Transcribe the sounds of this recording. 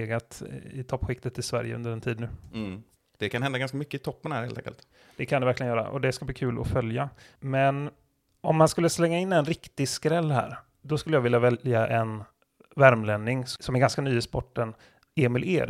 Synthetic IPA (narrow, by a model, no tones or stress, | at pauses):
eːɡat̪ɪt̪ʰɔpːɧɪk̚t̪ət̪ʰːɪsvæ̰ɾjə̰ɵ̰nd̪əɾɛnt̪ʰiːd̪nʉ̟ː | d̪̥ɛkʰanhɛnd̪aɡanskamʏkːəɪt̪ʰɔpːənhæːɾhḛːlɛ̰ŋkə̰lt̪ | d̪̥ɛkʰand̪ɛvæɾklɪɡənjœːɾa̰ʔɔ̰d̪ɛskabliːkʰʉ̟ːlʔɔ̰fœljamɛn | ɔmːanskɵlːəslɛŋːaɪnːɛnɾɪkt̪ɪskɾɛlːhæ̰ːɾ | d̪ɔskɵlːəjɑːvɪljavɛljaʔɛn | væɾmlɛnːɪŋssɔmɛɾɡanskanyːəspɔʈːən | eːmɪlʔeːɾ